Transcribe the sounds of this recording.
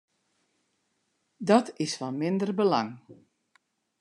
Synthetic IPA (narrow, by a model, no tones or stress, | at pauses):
dɔtɪsfɔnmɪndərbəlɑ̰ŋ